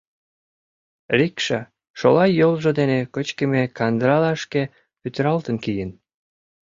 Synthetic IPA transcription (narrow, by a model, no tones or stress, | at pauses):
rikʃɑ | ʃolɑjolʒod̪enekət͡ɕkə̆mekɑnd̪ɾɑlɑʃke | pyt̪əɾɑlt̪ənkijən